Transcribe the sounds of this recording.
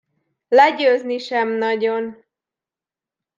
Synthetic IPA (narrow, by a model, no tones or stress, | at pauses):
lɛɟøːzniʃɛmnɒɟon